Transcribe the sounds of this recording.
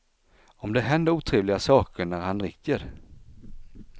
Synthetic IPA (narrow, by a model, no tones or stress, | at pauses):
ɔmd̪ɛɦɛnd̪əɾuːt̪ʰɾeːvlɪɡasɑːkəɳæɾhanɾɪkːəɾ